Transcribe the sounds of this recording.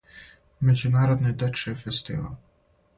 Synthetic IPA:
mʲɛd̪zɪnaɾɔd̪nɨd̪ɛt͡ʂɛfɛst̪ḭva̰l

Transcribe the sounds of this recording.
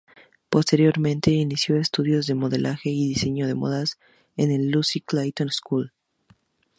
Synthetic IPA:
po̞st̪e̞ɾjo̞ɾmẽnt̪e̞inisjo̞est̪uðjo̞zðe̞mo̞ðe̞lʔaxe̞iðise̞ɲo̞ðe̞mo̰ðas | ene̞lːusiklajt̪onskul

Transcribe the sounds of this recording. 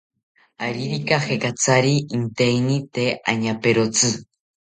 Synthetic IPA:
aɾiɾikahekat͡sʰaɾiint̪einit̪ea̰ɲapeɾot͡sɨ

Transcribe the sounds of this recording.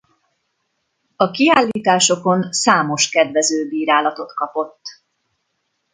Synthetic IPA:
ɒkiaːlːiːt̪aːʃo̞ko̞nsaːmo̞ʃkɛd̪vɛzøːbiːɾaːlɒt̪o̞t̪kɒpo̞t̪ː

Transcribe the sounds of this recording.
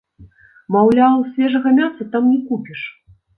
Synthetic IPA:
mawlʲawsʲvʲɛʐɐɣɐmʲasɐt̪amnʲɛkupʲiʂ

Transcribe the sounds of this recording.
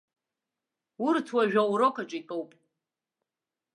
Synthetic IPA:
urtʰwaʒᶣawɾokʰʼat͡ʃʼaitʼowpʼ

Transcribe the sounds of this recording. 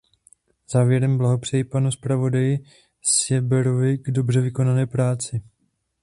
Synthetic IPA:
z̥aːvjɛɾɛmblaɦo̞pr̝̥ɛjɪpanuspɾavo̞dajɪ | sjɛbɛɾovɪɡdo̞brɛvɪko̞nanɛːpɾaːt͡sɪ

